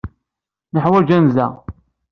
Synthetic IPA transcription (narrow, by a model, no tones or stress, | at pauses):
nəħwæd͡ʒænzæ̰